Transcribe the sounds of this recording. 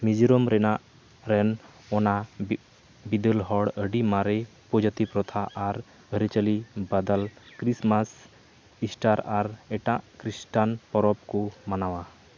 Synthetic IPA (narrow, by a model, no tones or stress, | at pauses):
mid͡ʒiɾɔmɾɛnaʔ | ɾɛnɔna | bid̪əlɦɔɽəɖimaɾɛ | pɔd͡ʒət̪ipɾɔt̪ʰaʔaɾ | əɾit͡ʃəlibad̪alkɾismas | isʈaɾaɾɛʈaʔkɾisʈanpɔɾɔp̚kɔmanawa